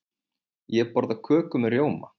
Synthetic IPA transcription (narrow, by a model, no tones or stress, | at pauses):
jɛpɔɾðakʰœːkʏmɛɾjoːwma̰